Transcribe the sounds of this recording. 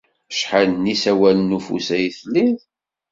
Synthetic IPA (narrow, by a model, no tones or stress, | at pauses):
ʃħalnisæwælənufṵsæjθəlːið